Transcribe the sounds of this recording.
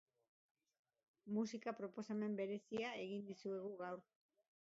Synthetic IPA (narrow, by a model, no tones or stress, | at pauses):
musikapɾo̞po̞same̞mbe̞ɾe̞siae̞ɣind̪isue̞ɣ̞uɣawɾ